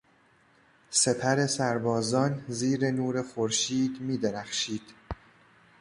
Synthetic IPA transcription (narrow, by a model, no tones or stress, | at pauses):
se̞pʰæɾe̞sæɾbɒːzɒːnziːɾe̞nuːɾe̞xoɾʃiːd̪miːd̪eɾæxʃiːd̪̥